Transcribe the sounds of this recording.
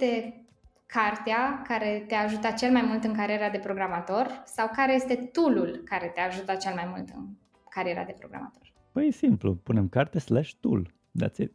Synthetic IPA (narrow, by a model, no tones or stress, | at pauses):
t̪e̞ | kʰart̪eakaɾe̞t̪eaʒut̪ət͡ʃe̞lmajmult̪ɨŋkaɾieɾad̪e̞pɾo̞ɡɾamat̪o̞rsawkaɾe̞je̞st̪e̞t̪ululkaɾe̞t̪eaʒut̪ət͡ʃe̞lmajmult̪ɨ̰n | kaɾieɾa̰d̪e̞pɾo̞ɡɾa̰ma̰t̪o̞r | b̥əjsimplṵpunemkart̪eslaʃt̪ṵl | d̪a̰t̪sʲe